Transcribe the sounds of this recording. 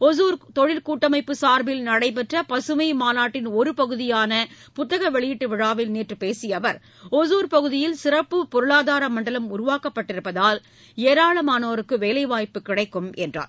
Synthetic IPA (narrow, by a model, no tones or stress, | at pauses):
ɔzuːɾt̪ɔɻɪlkuːʈːɐmɐɪpːɯsaːɾbɪlnɐɽɐɪp̬ɛʈrɐpɐsɯmɐɪmaːnaːʈːɪnɔɾɯpɐɣɯðɪjaːnɐ | pʊt̪ːɐɣɐʋɛɭɪjɪʈːɯʋɪɻaːʋɪlniːʈrɯpeːsɪjɐʋɐɾ | ɔsuːɾpɐɣɯðɪjɪlsɪrɐpːɯpɔɾɯɭaːðaːɾɐmɐɳɖɐlɐmʊɾʊʋaːkɐpːɐʈːɪɾɯpːɐðaːl | eːɾaːɭɐmaːnɐʋɐɾɯkːɯʋeːlɐɪʋaːjpːɯkɪɽɐɪkːɯmɛndra̰ːɾ